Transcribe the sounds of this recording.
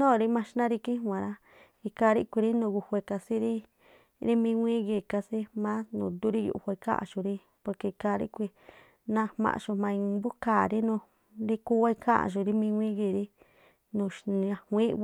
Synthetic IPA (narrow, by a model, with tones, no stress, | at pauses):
nõ˦˨˧ɾi˦mã˧˦ʃnã˦ɾi˧kĩ˦˧ã˨˧ɾa˦ | i˧ka˧˦˧ɾi˦kʷi˧ɾi˦nũ˧˨ɣu˧hʷe˧ka˧si˦ɾi˦ | ɾi˦mĩ˧wʷĩ˦ɣe˧˨ka˧si˦mã˦nṵ̃˧˨d̪u˦ɾi˦jṵ˧ʔhʷa˧i˧ka̰˦ʔã̰˧ʃu˧ɾi˦ | po˧ke˧ka˧ɾḭ˦kʷi˧ | nã˧hmã̰˧ʔʃu˧mã˧ĩ˧bu˦kaː˨ɾi˦nũ˧ | ɾi˦ku˦wa˦˧i˧kʰã˦ʔã̰˧˨ʒu˧ɾi˦mĩ˧wʷĩ˦ɣi˧˨ɾi˦ | nũ˧˨ʃa˧hʷĩ˦